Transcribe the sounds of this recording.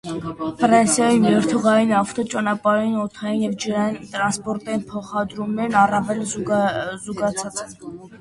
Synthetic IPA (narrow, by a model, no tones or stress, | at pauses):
fɾɑnsjɑjimɛɾt̪ʰuʁɑjinɑft̪ɔt͡ʃɑnɑpɑɾjinɔt̪ʰɑjinjɛvd͡ʒəɾɑjint̪ɾɑnspɔɾt̪ɑjinpʰɔχɑd̪ɾumnɛɾnɑrɑvɛl | zuɡɑt͡sʰɑt͡sɛ